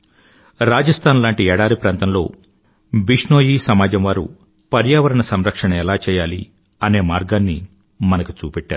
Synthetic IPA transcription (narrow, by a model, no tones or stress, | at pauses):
ɾaːd͡ʒɐst̪ʰaːnlaːɳʈiɛːɽaːɾipɾaːnt̪ɐmlo̞̰ː | biʂɳoːjiːsɐmaːd͡ʒɐmʋaːɾṵ | pɐɾjaːʋɐɾɐɳɐsɐmɾɐkʂɐɳɐɛlaːt͡ʃɛːjaːlḭ | ɐne̞ːmaːɾɡaːnːḭ | mɐnɐku̥t͡ʃuːpɛʈːaːɾu